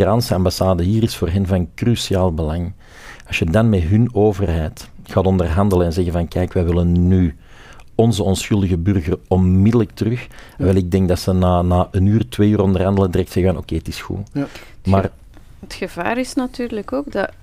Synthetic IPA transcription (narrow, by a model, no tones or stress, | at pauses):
ransəɑmbasaːdəɦiːɾɪsfoːrɦɛnvɑnkrysiaːlˠbəlaŋ | ɑsjədɑnmɛɦɵnoːvərɦɛːtxaːtɔndərɦɑndələnɛnzɛɣənvɑnkɛːkʋɛʋɪlənːy | ɔnzəɔnsxɵlˠdəɣəbʏrɣərɔnmɪdələk̚tərɵxʋɛlˠɪɡ̚dɛŋkdɑtsənaːnaːʔənyːrtweːyːrɔndərɦɑndələdrɛk̚tsɛɣəvɑnoːkeːətɪsxṵmaːr | ətxəvaːɾɪsnatyːrləkoːɡdɑ